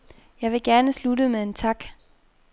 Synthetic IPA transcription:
jɑ̈ɪʋe̝ɡ̥æɐnəsludəmeðˠe̝nt͡sʰɑ̈ɡ̥

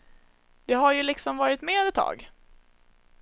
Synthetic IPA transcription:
d̪ɛɦaɾjɵlɪksɔmvɑːɾɪt̪meːd̪ɛt̪ʰːɑ̰ːɡ

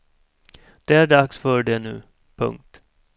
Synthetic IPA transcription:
d̪̥ɛæɖaksfœːɖɛnʉ̟̰ː | pʰɵ̰ŋk̚t̪

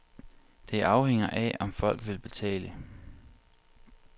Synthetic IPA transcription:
d̥e̝æɐɑ̈ʊheŋ̰ɐʔæʔɒ̽mfɒ̽l̰ɡ̥ʋe̝lb̥e̝t͡sʰɛ̰ːlə

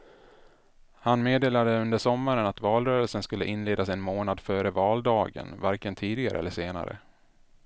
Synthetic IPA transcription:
hanmeːd̪eːlad̪əɵnd̪əʂɔmːaɾənat̪vɑːlɾœːɾəlsənskɵlːə̰ʔɪnleːd̪asɛnmoːnad̪fœːɾəvɑːld̪ɑːɡə̰nvaɾkənt̪ʰiːd̪ɪɡa̰ɾə̰ɛlːəʂeːna̰ɾə̰

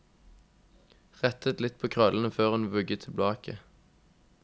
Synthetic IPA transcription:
ʁɛt̪ʰət̪lɪt̪̚pʰoːkʰʁœlnəføːʁhʉnʋʉɡət̪ʰɪblɑːkʰə

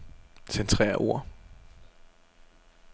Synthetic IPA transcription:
sent͡sʰʁɛ̰ːɐʔo̝ɐ̰

